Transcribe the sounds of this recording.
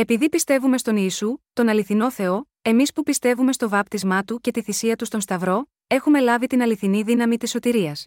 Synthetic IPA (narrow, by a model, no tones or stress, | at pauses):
e̞piðipist̪e̞vume̞st̪o̞niːsut̪o̞nɐliθino̞θe̞o̞ | e̞mispupist̪e̞vume̞st̪o̞vɐp̚t̪izmɐt̪uce̞t̪iθisiɐt̪ust̪o̞nst̪ɐvɾo̞ | e̞xume̞lɐvit̪inɐliθiniðinɐmit̪isːo̞t̪iɾiɐs